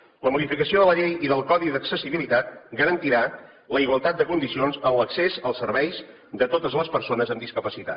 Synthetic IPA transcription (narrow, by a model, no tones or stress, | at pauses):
ləmuðifikəsioðələʎejiðəlˠkɔðiðəksəsiβilit̪at̪ɡəɾənt̪iɾa | ləiɣwəlˠt̪at̪̚d̪əkund̪isionzənləksezəlˠsəɾβɛjs | d̪ət̪ot̪əzləspəɾsonəzəmd̪iskəpəsit̪a̰